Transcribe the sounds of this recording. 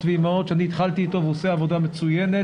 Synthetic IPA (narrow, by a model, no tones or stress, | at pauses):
vimao̞d̪ʃeaniːt̪χalt̪iːt̪o̞veoseavo̞d̪amet͡sujene